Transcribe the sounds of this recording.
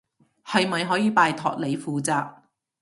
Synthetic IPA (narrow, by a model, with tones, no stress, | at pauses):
hɐ˨jmɐ˨jɦɔː˨˥jiː˨˧paː˨˧jt̪ʰɔ̰ː˨k̚le˨˧jfuː˨˧t͡saː˧k̚